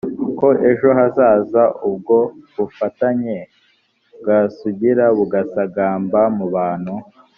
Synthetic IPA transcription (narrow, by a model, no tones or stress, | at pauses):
kko̞ʔe̞ʒo̞ɦazaːzaʔub̚ɡo̞βufataɲe | bɡasuɟiɾaβuɡasaɡaːmbamuβaːn̥hu